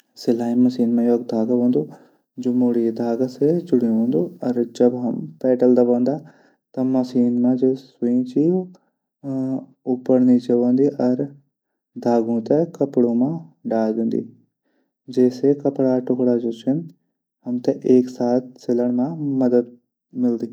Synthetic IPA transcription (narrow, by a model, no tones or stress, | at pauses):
sɪlaːĩmɐsiːnmãjoːɡ̚d̪ʱaːɡabõːnd̪u | d͡ʒumuːɽid̪ʱaːɡsed͡ʒʊɽĩõːnd̪uɔɾd͡ʒɐbɦɐmpɛːʈəld̪ɐbõːnd̪a | t̪ɐmɐsiːnmãd͡ʒesuĩt͡ʃi | ʊpːəɾnit͡ʃeʋõːnd̪iʔɔɾ | d̪ʱaːɡũt̪ekɐpɽõmãɖaːld̪ẽːnd̪ḭ | d͡ʒɛːsekɐpɽaʈʊkɽad͡ʒoːt͡ʃʰɪn | ɦɐmt̪eʔeːksaːt̪̚seləɽmãmɐd̪əd̪̚ | mɪld̪iː